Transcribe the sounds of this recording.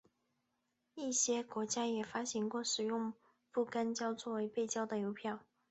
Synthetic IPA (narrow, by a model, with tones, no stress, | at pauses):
i˥˩ɕjɛ˥kwɔ˧˥t͡ɕja˥jɛ˨˩fa˥ɕi˧˥ŋkwɔ˥˩ʂɻ̩˨˩jʊ˥˧ŋ | pu˥˩ka˥nt͡ɕjɑ˥ʊt͡swɔ˥˩we˧˥ɪpe˥˩ɪt͡ɕjɑ˥ʊd̪ə˨jo˧˥ʊpʰjɑ˥˩ʊ